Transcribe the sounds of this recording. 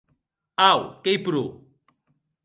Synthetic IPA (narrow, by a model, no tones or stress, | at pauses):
awkejpɾu